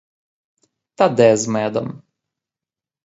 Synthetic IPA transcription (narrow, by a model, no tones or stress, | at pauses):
t̪ad̪ɛzmɛd̪ɔm